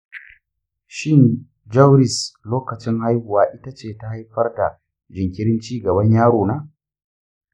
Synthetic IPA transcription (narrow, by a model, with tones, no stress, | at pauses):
ʃɪ˦n | d͡ʒɐ˦wɾɪ˨sloː˦kɐ˨t͡ʃɪ˦ŋha˦jhʊ˨waː˦ʔɪ˦ta˦t͡ʃeː˦˨ta˦ha˦jɸɐ˦rda̰˨ | d͡ʒɪ˨ŋkʲɪ˦ɽɪ˦nt͡ʃiː˦ɡɐ˨bɐ˦ɲjaː˦ɽoː˨naː˦